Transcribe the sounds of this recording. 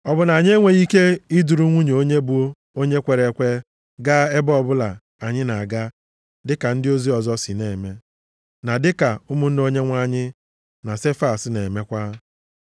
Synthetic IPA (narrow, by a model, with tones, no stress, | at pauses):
ɔ˨bʊ˨na˨ɲ˦e˦ŋʷe˨i˦ke˦i˦du˨ɾu˦ŋʷu˦ɲ˨o˦ɲe˦bu˦o˦ | o˦ɲe˦kʷe˨ɾe˨kʷe˦ | ɡa˦e˦bɔ˦bʊ˦la˨ | a˨ɲɪ˦na˨a˨ɡa˦ | dɪ˦ka˨n̩˦dɪ˦o˦zi˦ɔ˨zɔ˦sɪ˨ne˨me˦ | na˨dɪ˦ka˨ʊ˦mʊ˦n̩˦no˦ɲe˦ŋʷa˦ɲɪ˦ | na˨se˦fa˨sne˨me˦kʷa˦